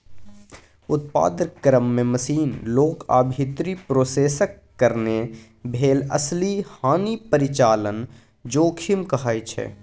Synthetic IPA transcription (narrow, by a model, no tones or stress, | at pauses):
ʊt̪̚pa̰ːd̪əɾkɾəmːẽməsiːnloːka̰ːbʱit̪ɾipɾoːseːsəkːəɾne | bʱeːlə̰slihaːnipəɾɪt͡ʃaːlən | d͡ʒoːkʰɪmkɐɦaːit͡ʃʰɛ̰ː